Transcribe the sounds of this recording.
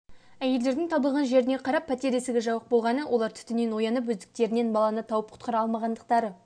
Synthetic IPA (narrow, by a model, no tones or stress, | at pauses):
æje̞ld̪e̞ɾd̪ɪŋt̪ʰɑbəlˠʁɑnʒe̞ɾɪne̞qʰɑɾɑpʰːæt̪e̞ɾesɪɡʲeʒɑwəq̚bo̞lˠʁɑnəwo̞lˠɑɾt̪ʰʏ̥t̪ɪne̞nwo̞jɑnəp̬wɵzd̪ɪk̚t̪e̞ɾɪne̞nbɑlˠɑnət̪ʰɑwəp̚qʰʊ̥t̪qɑɾɑlˠmɑʁɑnd̪əq̚t̪ɑɾə